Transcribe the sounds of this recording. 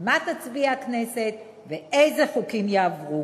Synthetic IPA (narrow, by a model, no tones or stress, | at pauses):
mat̪at͡sbiaakne̞se̞t̪ | veʔejzeχukimjaːvʁu